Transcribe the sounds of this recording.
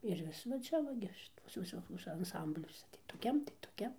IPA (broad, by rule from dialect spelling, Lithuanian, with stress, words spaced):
ɪr ˈʋʲɪs ʋɐ ˈt͡ʃʲɛ ʋɐ ˈɡʲɪ ˈʃʲɪtuɔsʲɛ ʋʲɪˈsoːkʲuɔsʲɛ ɐnˈsɐmʲbʲlʲuɔsʲɛ tɐɪ toːˈkʲɛm tɐɪ toːˈkʲɛm